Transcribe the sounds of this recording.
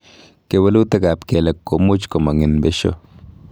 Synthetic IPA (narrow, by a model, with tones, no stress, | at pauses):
ke˨wɐ˦lu˦t̪ɐ˦ka˨pke˨lɐ˨kːo˨mʊ˦t͡ʃkɔ˨ma˨ŋɪ˨nbe˦ʃo̰˦